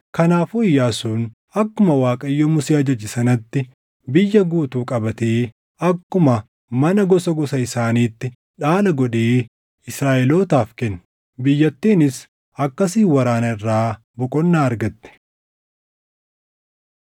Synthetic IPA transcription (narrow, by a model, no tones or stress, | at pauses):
kɐnaːfʊɪjːaːsuːn | ɐkːʊmɐwaːkʼɐjːoːmʊseːɐd͡ʒɐd͡ʒɪsɐnɐt̪ːɪ | bɪjːɐɡuːt̪uːkʼɐbɐt̪eː | ɐkːʊmɐ | mɐnɐɡɔsɐɡɔsɐɪsaːniːt̪ːɪ | ᶑaːlɐɡɔᶑeː | ɪsɾaːʔɛloːt̪aːfkɛnː | bɪjːɐt̪ːiːnɪs | ɐkːɐs̬iːwɐɾaːnɐɪrːaː | bɔkʼɔnːaːɐɾɡɐt̪ːɛ̥